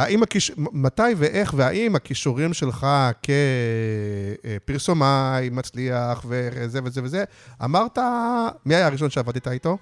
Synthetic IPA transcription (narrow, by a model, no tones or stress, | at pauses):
aʔimakiʃmat̪ajve̞ʔe̞χveaʔimakiʃuʁimʃe̞lχakʰe̞ | piʁsomajmat͡sliaχveezevezeveze | a̰maʁt̪amiajaːʁiʃ̬o̞nʃeavadt̪it̪ait̪o̞